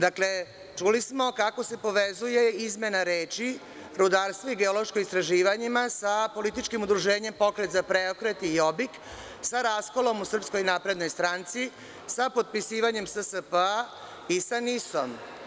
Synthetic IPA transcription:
d̪akle̞ | t͡ʃulismo̞kako̞se̞po̞ʋezuje̞izme̞naɾeːt͡ʃi | ɾud̪aɾst̪voiɡe̞olˠo̞ʃkoist̪ɾaʒiːʋaɲimasapo̞lit̪it͡ʃkimud̪ɾuʒeːɲe̞mpo̞kɾe̞t̪zapɾeokɾe̞t̪ijo̞bik | saɾaːsko̞lo̞musr̩psko̞jnaːpɾe̞d̪no̞jst̪ɾaːnt̪si | sapo̞d̪̚pisiːʋaɲe̞msəsəpə | isanisom

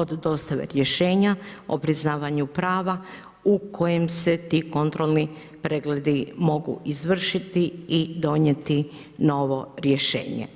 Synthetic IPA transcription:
o̞d̪ːo̞ːst̪aʋḛɾjeʃe̞ːɲao̰pɾiznaːʋaɲupɾaːʋa | ukʰo̞jemse̞t̪iko̞nt̪ɾo̞lˠni | pɾeɡled̪imo̞ɡṵʔizʋr̩ʃit̪iid̪o̞ɲet̪i | no̞ʋo̞ɾje̞ʃe̞̰ːɲḛ

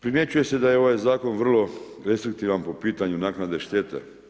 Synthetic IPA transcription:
pɾime̞t͡ɕuje̞se̞d̪ajeo̞ʋajzaːko̞nʋr̩lo̞ | ɾe̞st̪ɾik̚t̪iːʋanpo̞piːt̪aɲunaknad̪e̞ʃt̪eːt̪ḛ

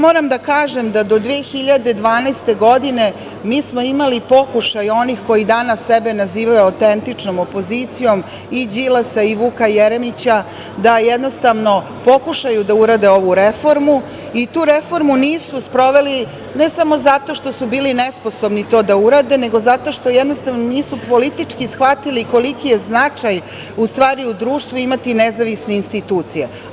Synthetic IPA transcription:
moːɾamd̪akaːʒe̞md̪ad̪o̞d̪ʋeːxiʎad̪e̞d̪ʋaːnɛst̪e̞ɡo̞d̪ine̞ | miːsmo̞imalipo̞kuʃajo̞nixko̞id̪aːnasebe̞naziːʋajuawt̪ent̪it͡ʂnomopo̞zit̪sijo̞m | id͡ʑilasaiʋuːkajeɾemit͡ɕa | d̪ajɛd̪no̞st̪aʋno̞ | po̞kuʃajud̪auɾaːd̪eo̞ʋuɾefoɾmu | it̪uːɾe̞fo̞ɾmuniːsuspɾo̞ʋeli | ne̞samo̞zat̪o̞ʃt̪o̞subiːlinespo̞so̞bnit̪o̞ːd̪auɾaːd̪e̞neɡo̞zat̪o̞ʃt̪o̞jed̪nost̪aʋnoniːsupo̞lit̪it͡ʂkisxʋat̪iliko̞likijeznat͡ʂaj | ust̪ʋaːɾiud̪ɾuːʃt̪ʋuimat̪inezaʋisne̞inst̪it̪uːt̪sije

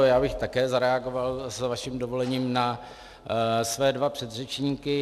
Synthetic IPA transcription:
jaːbɪxt̪akɛːzaɾɛaɡovalsvaʃɪmdovo̞lɛɲiːmna | svɛːdvapr̥ɛd̪rɛt͡ʃɲiːkɪ

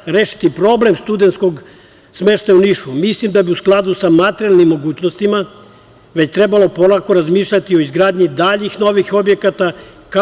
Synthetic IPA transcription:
ɾeːʃi̥t̪ipɾo̞ble̞mst̪ud̪ent̪sko̞ɡ | smeʃt̪ajuniʃumislimd̪abiusklˠad̪usamat̪eɾjalnimːo̞ɡuːt͡ɕnost̪ima | ʋe̞t͡ɕt̪ɾe̞balo̞po̞lako̞ɾazmiːʃʎʲat̪io̞izɡɾaːd̪ɲid̪aʎixno̞ʋixo̞bje̞kat̪a | ka

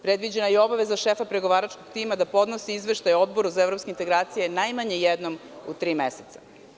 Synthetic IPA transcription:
pɾed̪ʋid͡ʑenajeo̞baʋezaʃefapɾeɡo̞ʋaːɾat͡ʃkoɡt̪iːmad̪apo̞d̪nosiizʋeʃt̪ajo̞d̪bo̞ɾuzaevɾo̞pskeint̪eɡɾaːt̪sijenajmaɲejed̪no̞mṵt̪ɾiːmeset̪sḁ

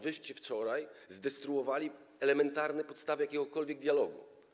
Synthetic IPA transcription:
vɘʂt͡ɕift͡ʂɔɾajzd̪ɛst̪ɾuɔvalʲi | ɛlɛmɛnt̪aɾnɛpɔt̪st̪avɘjakʲɛɡɔkɔlvʲjɛɡ̚d̪ʲjalɔɡṵ

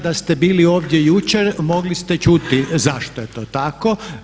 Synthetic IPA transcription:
d̪ast̪e̞biːlio̞ːʋd̪je̞jut͡ʃeɾmo̞ɡlist̪et͡ʃut̪izaʃt̪oje̞t̪o̞ːt̪ako̞

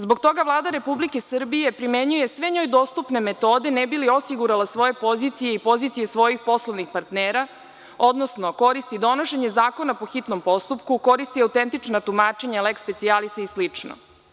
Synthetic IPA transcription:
zbo̞ɡk̚t̪o̞ɡaʋlˠaːd̪aɾe̞publike̞sr̩bije̞pɾimeɲuje̞sʋe̞ɲo̞jd̪o̞ːst̪upne̞me̞t̪o̞ːd̪e̞nɛbiliosiɡuɾalasʋo̞je̞po̞zit̪sijeipo̞zit̪sije̞sʋo̞jixpo̞slˠoʋnixpaɾt̪neːɾa | o̞d̪no̞sno̞ko̞ɾist̪id̪o̞noʃe̞ɲezaːko̞napo̞xit̪no̞mpo̞st̪upkuko̞ɾist̪iawt̪ent̪it͡ʂnat̪umaːt͡ʃe̞ɲalekspe̞t̪sialisaislit͡ʂno̰

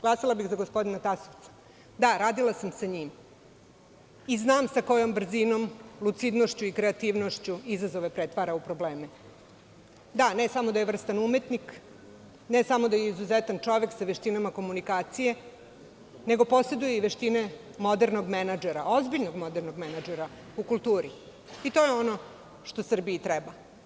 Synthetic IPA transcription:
ɡ̥lasalˠabixzaɡospo̞d̪inat̪asoʋt̪sḁ | d̪aɾaːd̪ilˠasamsaɲiːm | iznaːmsako̞jo̞mbr̩zino̞mlut̪sid̪noʃt͡ɕuikɾeat̪iʋno̞ʃt͡ɕuizazoʋe̞pɾet̪ʋaɾaupɾo̞bleːmɛ | d̪anesamod̪ajeʋr̩st̪anumet̪nik | ne̞samo̞d̪ajeizuzet̪ant͡ʂo̞ʋe̞ksaʋeʃt̪inamako̞munikaːt̪sije̞ | ne̞ɡopo̞se̞d̪ujeiʋeʃt̪ine̞mo̞d̪eɾno̞ɡmenad͡ʒeɾaʔo̞zbiʎno̞ɡmo̞d̪eɾnoɡmenad͡ʒeɾa | ukulˠt̪uːɾi | it̪o̞jeo̞no̞ | ʃt̪o̞sr̩biit̪ɾɛba

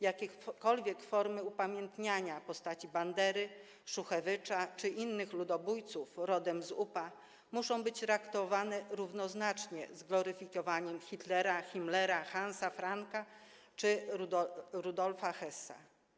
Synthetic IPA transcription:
jakʲɛkɔlvʲjɛkfɔɾmɘupamʲjɛnt̪ɲaɲapɔst̪at͡ɕiband̪ɛɾɘ | ʂuxɛvɘt͡ʂat͡ʂɘʔinːɘxlud̪ɔbujt̪sufɾɔd̪ɛmzupa | muʂɔ̃w̃bɘt͡ɕt̪ɾakt̪ɔvanɛɾuvnɔznat͡ʂɲɛ̰zɡlɔɾɘfʲikɔvaɲɛmxʲit̪lɛɾaxʲimlɛɾaxansafɾaŋka | t͡ʂɘ | ɾud̪ɔlfaxɛsːa̰

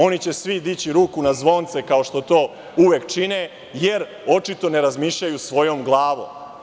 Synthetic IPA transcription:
o̞nit͡ɕe̞sʋid̪it͡ɕiɾuːkunazʋo̞nt̪se̞kaoʃt̪o̞t̪o̞ː | uʋekt͡ʃine | jeɾ | o̞t͡ʃit̪o̞ne̞ɾazmiːʃʎajusʋo̞jo̞mɡlˠaːʋo̰m

